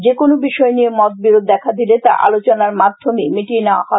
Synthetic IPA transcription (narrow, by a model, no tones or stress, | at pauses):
d͡ʑekonobiʃɔenijemɔt̪̚biɾod̪ːɛkʰad̪ilet̪a̰ʔa̰lot͡ɕonaɾmad̪ʱomimiʈineoa̰hɔe